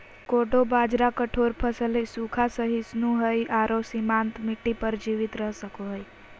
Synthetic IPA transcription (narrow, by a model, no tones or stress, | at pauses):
koːɖobaːd͡ʒɾakəʈʰoːɾpʰəsəlisukʰasəɦisnuɦəjʔaːɾosimant̪miʈːipəɾd͡ʒiʋɪt̪ɾəɦsəkoɦəj